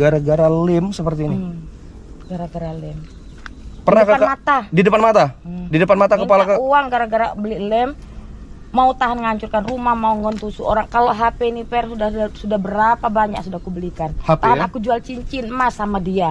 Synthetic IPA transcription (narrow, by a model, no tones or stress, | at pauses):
ɡaɾaɡaɾalɪmsəpərt̪iːni | ɡaɾaɡaɾalɪm | pərnakanmat̪adidəpanmat̪adidəpanmat̪akəpalakəuaŋɡaɾaɡaɾabəlilɛmː | aut̪aɦanŋəaɲt͡ʃurkanrumahmauŋɔnt̪usuoɾaŋkaloʔɦapeinipɛrsudasudahbəɾapabaɲa̰ksudahkubəlikanhap̪aɦanakud͡ʒualt͡ʃiɲt͡ʃinmasamadia